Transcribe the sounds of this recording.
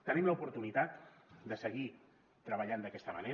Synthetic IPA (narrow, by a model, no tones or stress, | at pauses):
t̪ənimləupuɾt̪unit̪at̪d̪əsəɣi | t̪ɾəβəʎand̪əkɛst̪əməne